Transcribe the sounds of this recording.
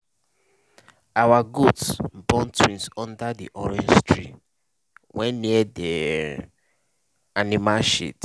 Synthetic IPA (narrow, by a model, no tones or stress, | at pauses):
awaɡutsbɔ̃ntwĩnsɔ̃ndadḭʔɔɹɛ̃nd͡ʒstʰɹḭ | wɛ̃nniɛdɛ | animalʃḭt